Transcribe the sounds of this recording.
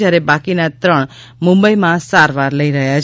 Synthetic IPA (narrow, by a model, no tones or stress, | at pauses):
jaɾebãkinat̪ɾəɳ̃ | mʊ̃mbəimãsaɾʋaɾləiɾəɦjat͡ʃʰ